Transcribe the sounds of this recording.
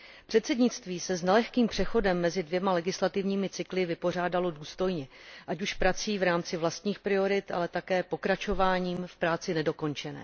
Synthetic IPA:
pr̝̥ɛt̪sɛdɲɪt͡st̪viːsɛznɛlɛxkiːmpr̝̥ɛxo̞dɛmːɛzɪdvjɛmalɛɡɪslat̪ɪvɲiːmɪt͡sɪklɪvɪpo̞r̝aːdalo̞duːst̪o̞jɲɛʔacuʃpɾat͡siːvɾaːmt͡sɪvlast̪ɲiːxpɾɪo̞ɾɪt̪ʔa̰lɛt̪akɛːpo̞kɾat͡ʃo̞vaːɲiːmfpɾaːt͡sɪnɛdo̞ko̞nt͡ʃɛnɛ̰ː

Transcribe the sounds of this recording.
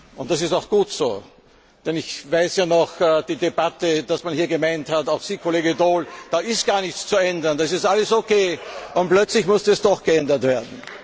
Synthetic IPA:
ʔʊnt̚d̥asɪstaʊxɡ̥uːtso̰ː | d̥ɛnɪçvaɪsjaːnɔxɛːd̥iːdebatəd̥asmanhiːɐɡəmaɪnthataʊxsiːkʰoleːɡədoːld̥aːɪstɡ̥aːɐnɪçt͡st͡suɛndɐndas̬ɪstʔaləsokʰeːʔʊntplœt͡slɪçmʊstəɛsd̥ɔxɡ̥əɛndɐtv̥eːɐdn̩

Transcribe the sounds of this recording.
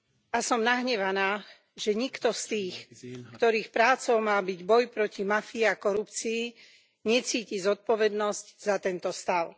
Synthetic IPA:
asɔmnaɦɲɛʋanaː | ʒɛɲikt̪ɔst̪iːxkt̪ɔɾiːxpɾaːt͡sɔʊmaːbiɟbɔjpɾɔcimafiːakɔɾupt͡siː | ɲɛt͡siːcizɔt̪̚pɔʋɛd̪nɔsczat̪ɛnt̪ɔst̪aʊ

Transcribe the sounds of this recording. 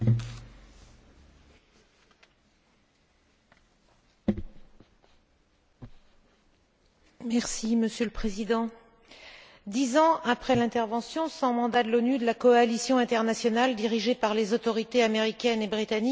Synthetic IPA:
mɛʁsiməsjøləpχezid̪ɑ̃ | d̪izɑ̃apχɛlɛ̃t̪ɛʁvɑ̃sjɔ̃sɑ̃mɑ̃d̪ad̪əlɔnyd̪əlakɔalisjɔ̃ɛ̃t̪ɛʁnasjɔnald̪iʁiʒepaʁlezot̪ɔʁit̪eameʁikʲɛnebʁit̪anik

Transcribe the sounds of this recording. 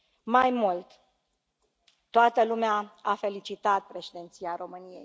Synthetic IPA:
majmult̪ | t̪ːoat̪əlumeaafe̞lit͡ʃit̪at̪̚pɾe̞ʃed̪e̞nt̪siaɾo̞mɨnije̞̰j

